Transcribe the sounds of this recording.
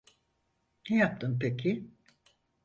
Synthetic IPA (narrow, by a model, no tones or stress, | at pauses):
nɛjap̚t̪ʰɯmpekʰi